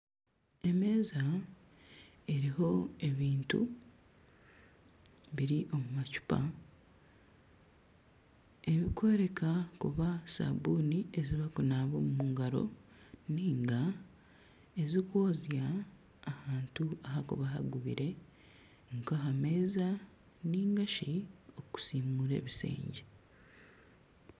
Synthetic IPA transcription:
e̞me̞ːza | e̞ɾiɦo̞e̞βiːntṵ | βiɾiʔo̞mumacu̥pa̰ | e̞βikwe̞ɾe̞kakṵβasa̰bunie̞ziβakunaːβomumuːŋɡaɾo̞̰ | niːŋɡa | ezikoːzjaː | haːntuaɦakuβaɦa̰ɡuβḭɾe̞ | ŋkoɦame̞ːza | niːŋɡaʃioku̥simuɾe̞̰ːβisḛːɲɟe

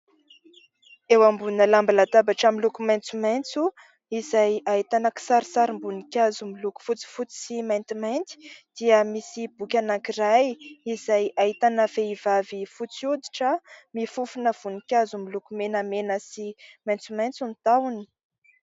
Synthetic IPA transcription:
ewambunəlambilat̪abaʈ͡ʂamilukumajnt͡sumajnt͡su | izajait̪anaki̥saɾisaɾimbunikʲazumiluku̥fut͡si̥fut͡si̥simajnt̪imajnt̪i̥d̪̥iəmisib̥ukʲanaŋkirajizajaɦit̪anəfeivavifut͡sjud̪i̥ʈ͡ʂəmifufunəv̥unikʲazumilukumenəmenəsimajnt͡sumajnt͡sunit̪awuni̥

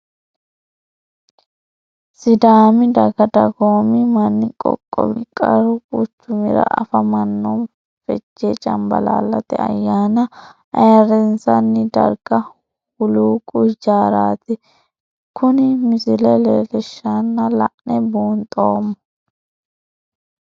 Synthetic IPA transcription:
sɪd̪aːmɪd̪ɐɡɐd̪ɐɡoːmɪmɐnːɪkʼɔ̰kʼːɔ̰bɪkʼɐɾʊkʼʊt͡ʃːʊmɪɾɐ̰ʔɐ̰fɐmɐnːɔn | fɛd͡ʒːeːt͡ʃʼɐmbɐ̰la̰ːlːɐt̪ɛ̰ɐ̰jːaːnɐʔɐjɐɾɛnsɐnːɪd̪ɐ̰ɾɡ̥ɐ | ʊluːkʼʊd͡ʒaːɾaːt̪ɪ | kʰʊnɪmɪsɪlɛlɛːlɛʃːanːɐlɐʔnɛbuːnt̪ʼoːmːɔ

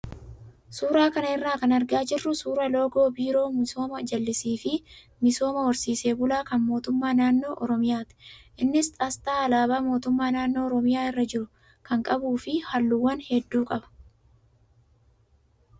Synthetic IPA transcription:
suːɾaːkɐnɐɪrːaːkɐnɐɾɡaːd͡ʒɪrːʊsuːɾɐlo̞ːɡo̞ːbiːɾo̞ːmɪso̞ːmɐd͡ʒɐlːɪsiːfɪ | mɪso̞ːmɐwɔɾsiːse̞ːbʊlaːkɐnmo̞ːt̪ʊmːaːnaːnːo̞ːʔɔɾɔmɪjaːt̪ɪ̥ʔɪnːɪst̪ʼɐst̪aːɐlaːbaːmo̞ːt̪ʊmːaːnaːnːo̞ːɔɾɔmɪjaːɪrːɐd͡ʒɪɾʊ | kɐŋkʼɐbuːfɪhɐlːuwːɐnhɛd̪ːuːkʼɐbɐ̥

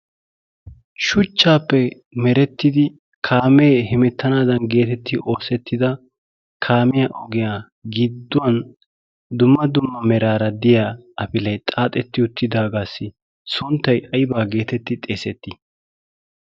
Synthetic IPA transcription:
ʃʊt͡ʃːaːpːɛ | mɛɾɛt̪ːɪd̪ɪ | kʰaːmeːhɪmɛt̪ːɐnaːd̪ɐnɡe̞ːt̪ɛt̪ːɪʔo̞ːsɛt̪ːɪd̪ɐ | kʰaːmɪjaːʔɔɡɪjaː | ɡɪd̪ːʊwɐn | d̪ʊmːɐd̪ʊmːɐmɛɾaːɾɐd̪ɪjaːɐpɪlɐjt̪ʼaːt̪ʼɛt̪ːɪʊt̪ːɪd̪aːɡaːsːɪ | sʊnt̪ːɐjʔɐjbaːɡe̞ːt̪ɛt̪ːɪt̪ʼeːsɛt̪ːɪ

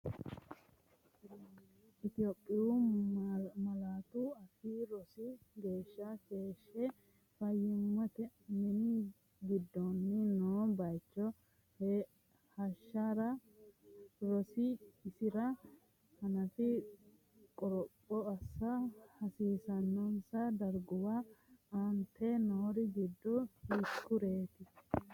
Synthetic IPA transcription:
ʔɪt̪ɪjopʼːɪju | mɐlaːt̪uɐfiɾɔsɪɡe̞ːʃːɐke̞ːʃːɛ | fɐjːɪmːɔt̪ɛnɛni | ɡɪd̪ːɔnːɪnoːbɐjt͡ʃːɔ | h | hɐʃːaɾɐ | ɾɔsɪːsɪɾɐ | hɐnɐfɪ | kʼɔɾɔpʼːɔɐsːɐhɐsiːsɐnːɔnsɐd̪ɐɾɡʊwaɐnt̪ʰːɛnɔːɾɪɡɪd̪ːɔhɪkːʊɾeːt̪ɪ

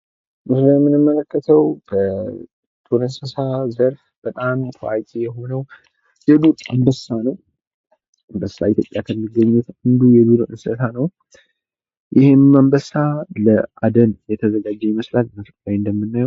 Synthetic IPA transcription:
mɨsləjɛmːɨnɨmːələkʰːət̪ʰəwbə | t̪ʰoɾənsəsazəɾf | b̥ət̪ʼamt̪ʰəat͡ʃʼijɛɦo̞nəw | jɛd̪ut̪ʼambəsanəw | ɨmbəsːait̪ʰjo̞pʼjakʰəmːiɡːəɲːut̪ɨnd̪ujɛβiɾoʔɨnsət̪ʰanəw | jʔɪhemmambəsaləad̪ənjɛt̪ʰəzəɡad͡ʒːɛiməslalməfəkʼawɨnd̪əmːɨnːajɛw

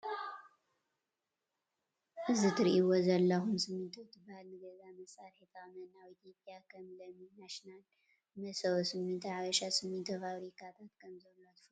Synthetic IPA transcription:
ʔɨzit̪ʰɨɾʔiwozɐlːɐhumsɨmːɨnt̪ʰot̪ʰɨbahalnɨɡɐzamɐsʼaɾet̪ʰamɐnawit̪ʰjopʼjakʰɐmlɐmːinaʃnal | nɐsɐβsɨmːɨnt̪ʰɨʕaβɐʃasɨmːɨnt̪ʰofaβɾikʰat̪ʰat̪kʰɐmzɐlːot̪ʰɨ̥f

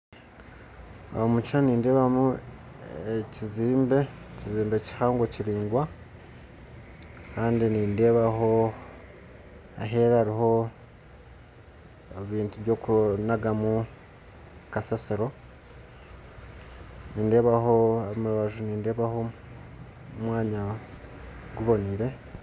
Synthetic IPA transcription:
a̰mucʃaniːnde̞ːβamu | eciziːmbe̞ciziːmbe̞ci̥haːŋɡociɾiːŋɡwa | kaːndiniːnde̞ːβaɦo̞ | a̰ɦe̞ːɾaaɾiɦo̞ | eβiːntuβjo̞ːkunaɡamu | kasasiɾo̞ | niːnde̞ːβahoamuɾaβaʒuniːnde̞ːβaho̞ | mwaːɲa | ɡuβo̞niɾe̞

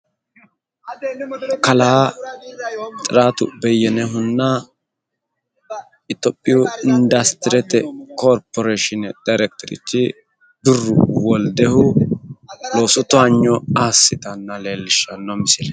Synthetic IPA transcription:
kɐlaː | t̪ʼɪɾaːt̪ʊ̰bɛjːɛnɛɦʊnːa | ɪt̪ɔpʼːɪjɔɪnd̪ɐst̪ɪɾɛt̪ɛkoːɾpɔɾeʃɪnɛd̪̥ɐjɾɛk̚t̪ɔɾɪ̰t̪ːɪ | d̪ʊrːʊ̰wɔld̪ɛhʊ | loːsʊt̪ːʊaɲːɔaːsːɪt̪ɐnːɐle̞ːlːɪʃːɐnːɔmɪsɪlɛ

